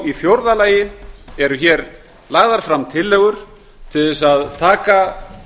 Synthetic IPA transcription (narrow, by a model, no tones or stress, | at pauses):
iθjowɾðalaːjɪɛɾʏçɛɾ | laɣðaɾ̥fɾamt̪ʰɪlːɛɣʏɾ̥ | t̪ʰɪðɪs̬aðt̪ʰaːka